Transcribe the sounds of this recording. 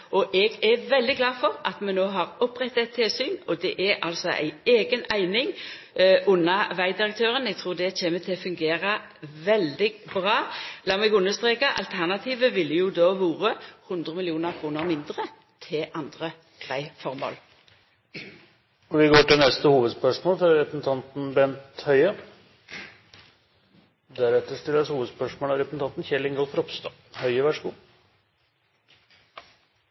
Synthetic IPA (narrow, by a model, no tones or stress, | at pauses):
ɔʔɛɡɛʋɛld̪ɪɡlɑːfɔʁɑt̪mɛnoːɦɑʁɔpːʁɛt̪ːɛt̪ʰːɪlsyːnɔd̪ɛʔɛɾɑ̰lsɔʔæ̰ɪeːɡənæɪnɪŋ | ʔʊnːɑʋæɪd̪ɪʁək̚t̪ʰøːʁənɛɡ̚t̪ʰʁuːd̪ɛçeːmət̪ʰɪlɔfʉŋɡeːʁə | ʋɛld̪ɪɡbʁɑːlɑːmɛɡʉnːəst̪ʁeːkɑʔɑ̰lt̪ʰæʁnɑt̪ʰiːʋəʋɪlːjuːd̪oːhuːʁəhʉnd̪ʁəmɪlɪuːnəʁkʰʁuːnəʁmɪnd̪ʁə | t̪ʰɪlʔɑnd̪ʁə̥ | ʁæɪfɔʁmo̰ːl | ɔʋɪɡoːʈɪlnɛst̪əhuːʋəd̪spœʂmoːlfɾɑɾɛpɾsn̩t̪ʰɑnt̪n̩bɛnt̪hœʏə | d̪æɾɛt̪ːəʂt̪ɪlːəshuːʋəd̪spœʂmoːlɑɾɛpsn̩t̪ɑnt̪n̩çɛlɪŋɡɑlfɾɔpst̪ɑː | hœʏəʋæʂəɡṵː